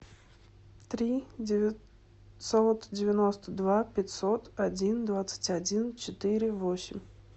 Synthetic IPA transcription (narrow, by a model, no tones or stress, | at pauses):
t̪ɾʲidʲɪvʲɪ | sot̪dʲɪvʲɪnost̪əd̪vapʲɪtʲso̞t̪ɐdʲind̪vat̪sɨ̥tʲɐdʲint͡ɕɪt̪ɨɾʲɪvosʲɪmʲ